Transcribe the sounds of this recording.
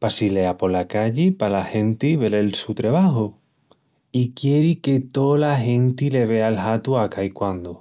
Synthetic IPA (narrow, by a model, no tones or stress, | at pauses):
pasile̞apo̞lakaʎepalahẽ̞nt̪iβe̞lelsut̪ɾeβ̞aɦo | ikje̞ɾiket̪olaɦẽ̞nt̪ile̞β̞e̞alɦat̪uakajkwand̪o